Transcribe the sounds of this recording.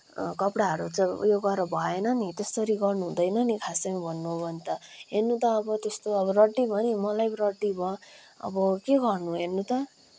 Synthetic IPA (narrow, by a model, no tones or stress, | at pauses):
kʌpɽaɦʌɾut͡sʌjoɡʌɾʌbʱʌenʌnit̪est̪ʌɾiɡʌrnuɦũd̪ʌjnʌnikʰasʌmʌbʱʌnːuɦobʱʌnt̪ʌɦenːut̪ʌːbʌt̪est̪oʌbʌɾʌʈːibʱʌnimʌlajrʌʈibʱʌ | ʌ̰bʌkeɡʌrnuɦernːut̪ʌ